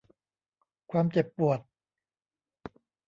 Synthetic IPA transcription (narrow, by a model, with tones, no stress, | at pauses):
kʰwaː˧mt͡ɕe˨˩pːu˨˩ət̪̚